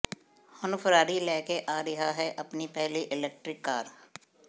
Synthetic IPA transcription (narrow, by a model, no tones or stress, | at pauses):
hʊnʊfəɾaːɾilɛːkeʔaːɾɪɦaɦɛʔɐpnipɛɦliʔɪlɛːk̚ʈɾɪkːaːɾ